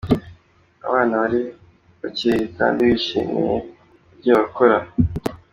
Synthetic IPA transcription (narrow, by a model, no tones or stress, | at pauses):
a̰βaːnawaɾi | βaciika̰ndiβiʃḭːmḭje | bɟoβakoɾa